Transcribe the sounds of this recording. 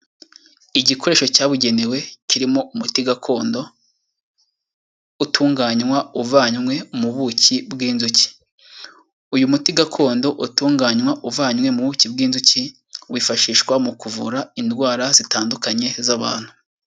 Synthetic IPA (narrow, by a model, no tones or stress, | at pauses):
iɟikʰo̞ɾe̞ːʃo̞caːβuɟe̞newe̞ciɾimo̞umutiɡakʰo̞ːndo̞ | utʰuːŋɡaːɲwauvaːɲwe̞muβucibɡiːnzuci̥ | ujumutiɡakʰo̞ːndo̞ʔutuːŋɡaːɲwaʔuvaːɲmwe̞muβucib̚ɡiːnzuci | wiːfaʃiːʃkwamukuvṵɾaindɡwaːɾaz̥itaːndukaɲe̞zaβa̰ːn̥hu̥